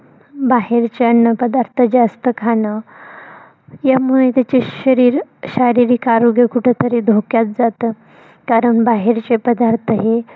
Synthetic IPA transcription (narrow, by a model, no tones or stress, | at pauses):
baɦeɾt͡ɕeənːəpəd̪aɾt̪ʰəd͡ʑast̪əkʰanə | jamuɭejt̪jat͡ɕeɕəɾiːɾɕaɾiɾiːkaɾoɡjəkuʈʰet̪ʰəɾed̪ʱokjat̪̚d͡zat̪ə | kaɾəɳbaɦeɾt͡ɕepəd̪aɾt̪ʰəɦe